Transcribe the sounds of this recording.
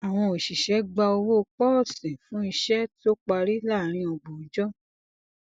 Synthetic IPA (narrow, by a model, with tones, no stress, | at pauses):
a˨w̃ɔ̃˧o˨ʃi˨ʃɛ˨˦ɡ͡ba˧o˧wo˦˧k͡pɔ˦˨sĩ˨fũ˦i˧ʃɛ˦to˦k͡pa˧ɾi˦la˦˨ɾ̃ĩ˧ɔ˧ɡ͡bo˨˦d͡ʒɔ˦